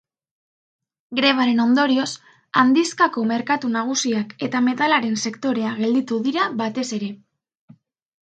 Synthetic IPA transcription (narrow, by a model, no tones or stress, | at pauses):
ɡɾe̞β̞aɾe̞no̞nd̪o̞ɾio̞s | and̪iskako̞me̞ɾkat̪unaɣ̞usiake̞t̪ame̞t̪alaɾe̞nse̞kt̪o̞ɾe̞aɣe̞ld̪it̪uðiɾaβat̪e̞se̞ɾe̞